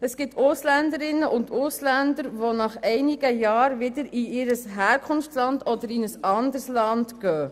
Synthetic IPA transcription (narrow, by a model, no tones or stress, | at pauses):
əsɡ̥ɪtʰʊslændəɾɪnːəʔʊndʊslændəɾʋonɑχɛɪnɪɡ̥əjɑːɾʋɪdəɾiʔɪɾəsɦɛːɾkʰʊnftlɑndɔdəɾinəsɑndəɾslɑndɡ̥œː